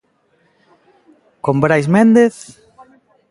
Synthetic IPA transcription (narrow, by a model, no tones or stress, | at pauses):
kombɾajs̬mend̪eθ